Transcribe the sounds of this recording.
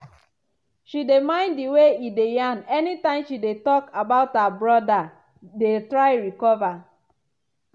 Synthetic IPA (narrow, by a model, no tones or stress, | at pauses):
ʃidemãɪ̃nddiweidejanɛnitãɪ̃mʃidetɔkabaʊthabɹɔda | detɾaɪɾikɔva